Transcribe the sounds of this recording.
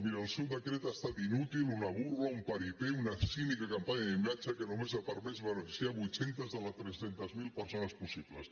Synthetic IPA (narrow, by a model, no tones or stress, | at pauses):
miɾːlˠsɛwd̪əkɾet̪ast̪at̪inut̪ilˠunəβuɾβəumpaɾipeunəsinikəkampaɲəðimat͡ʃəkənumezəpəɾmezβənəfisiaβujt̪sent̪əzðələt̪ɾesent̪əzmilˠpəɾsonəspusiplə̰s